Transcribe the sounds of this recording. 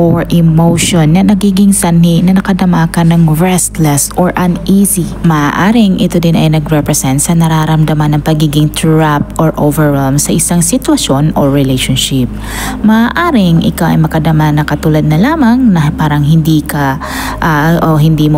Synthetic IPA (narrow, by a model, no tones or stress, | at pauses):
ʔoɹʔɛmowʃonːɐnɐɡiːɡɪŋsɐnhinɐnɐkɐd̪ɐmakɐnɐŋɹɛst̪lɛsʔoɹʔɐnʔisimɐʔaːʔaːɾɪŋʔɪt̪od̪ɪnɐ̰jnɐɡɾɛpɾɛsɛnt̪sɐnɐɾaɾɐmd̪ɐmanːɐŋpɐɡiːɡɪŋt̪ʰɹap̚t̪ʔoɹʔovɛɹwɛlmsɐʔɪsaŋsɪt̪wɐʃjo̞noɹɪlejʃonʃɪp̚ | mɐʔaːʔaːɾɪŋʔɪ̰kawʔɐ̰jmɐkɐd̪ɐmanɐkɐt̪ulad̪̚nɐlaːmɐŋnɐpaːɾɐŋɦɪnd̪iːkɐ | ʔaʔoɦɪnd̪iːmo